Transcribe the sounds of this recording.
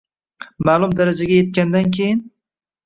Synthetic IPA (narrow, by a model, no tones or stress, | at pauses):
maːlˠʊmd̪aɾad͡ʒaɡʲaje̞t̪̚kʲand̪ankʲʰejɪn